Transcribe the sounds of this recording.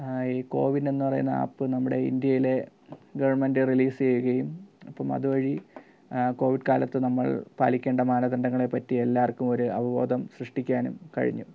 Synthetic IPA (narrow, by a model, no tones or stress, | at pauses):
iːko̞̰ːʋidne̞nːupɐrɐ̰jṵnːɐa̰ːpːɨnɐmːuɽe̞ḭnd̪jɐjile̞ | ɡɐʋɐɳmendɨriliːst͡ɕe̞juɣɐjumɐpːɐmɐ̰ðuʋɐɻi | ko̞ːʋiɖkaːlɐt̪ːɨnɐmːɐɭpa̰ːlikʲːeːɳɖɐmaːnɐd̪ɐɳɖɐŋːɐɭe̞pːɐtːie̞lːaːrkːumo̞ɾuɐ̰ʋɐʋo̞̰ːd̪ɐmsrɨʂʈikʲːaːnumkɐ̰ɻḭɲːṵ